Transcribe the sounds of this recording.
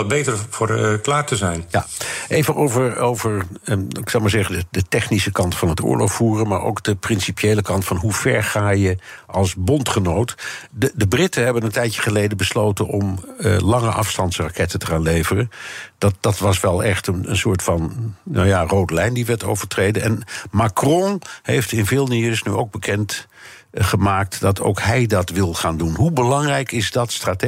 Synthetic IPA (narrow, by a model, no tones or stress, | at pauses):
ɑbejtəɹfːɹklaːɹtəzɛjnjaejvənʔowvəɹowvəɹɪksɑwmaːɹzɛχədədətɛχnisəkɑntfɑnətʊ̰ːɹlo̰χfuːrənmaːɹo̰wkd̥əprɪnsipjejləkɑntfɑnɦuv̥ɛɹχaːjəʔɑlˠsbɔntχənowtdədəbrɪtəɦɛbənəntɛjtjəχəlejdəbəslowtənʔɔmlɑŋəʔɑ̰fstɑntsrakɛtətəχaːnlejvərənd̥ɑd̥ɑtʋɑsʋɛlˠɛχtənə̰nsʊːɹtfɑnna̰jarowdəlɛjndiʋɛɹto̰wvəɹtrejdənɛnmakrɔ̃hejftɪnveːlˠnisnyowɡ̚bəkɛnt | χəmaːk̚td̥ɑtʰo̰wkɦɛjdɑtʋɪlˠχaːndunɦubəlɑŋrɛjkɪzdɑtstraːt